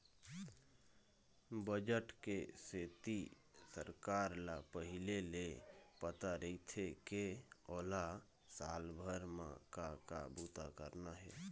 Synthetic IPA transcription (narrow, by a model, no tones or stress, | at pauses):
bəd͡ʒəʈkeset̪i | səɾkaɾlapəɦilelepət̪aɾəit̪ʰekeola | salbʱəɾmã̰kakabut̪akəɾnaɦɛ̰